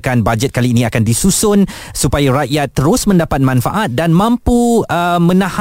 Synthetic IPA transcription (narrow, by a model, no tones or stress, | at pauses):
kanbad͡ʒɛt̪̚kaliːnĩakandisusʊn | supajaɾaʔjat̪ːəɾʊsmə̃ndapat̪̚mãnfa̰ʔat̪̚danmãmpuəmə̃nãh